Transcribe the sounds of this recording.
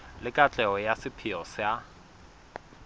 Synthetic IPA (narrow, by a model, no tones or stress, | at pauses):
lɪkʼat͡ɬʼɛɔjasɪpʰɪɔsja